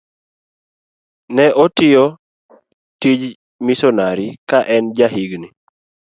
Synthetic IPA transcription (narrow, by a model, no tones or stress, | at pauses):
nɛʔɔtɪjɔ | tid͡ʒ | misɔnaɾikaʔɛnd͡ʒaɦiɡni